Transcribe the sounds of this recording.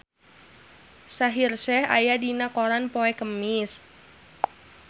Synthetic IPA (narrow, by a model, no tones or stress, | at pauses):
saɦirʃɛha̰jadinakoɾanpoɛkəmis